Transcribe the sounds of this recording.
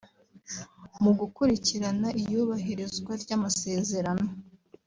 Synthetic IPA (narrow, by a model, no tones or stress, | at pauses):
muɡukuɾiciɾanaʔijuːβaɦiɾizɡwaɾɟaːmase̞ːze̞ɾano̞